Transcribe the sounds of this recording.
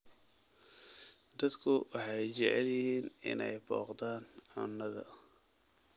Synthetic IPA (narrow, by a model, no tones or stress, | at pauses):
d̪ɐd̪kʰʊwɑħɑjt͡ʃɛʕɛljɪhiːnɪ̰nɛjbɔ̰ːqd̪aːnɐnːɐðɐ̰